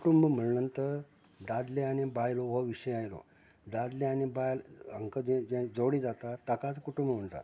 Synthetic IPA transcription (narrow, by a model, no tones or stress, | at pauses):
kuʈumbm̤əɭɳənt̪ə | d̪ad̪leañibajloʋoʋiɕəjãjlo̰ | d̪ad̪leañibajləŋkəd̪ẽd͡ʑẽd͡zoɽid͡zat̪at̪akat͡skuʈumbəm̤əɳt̪a̰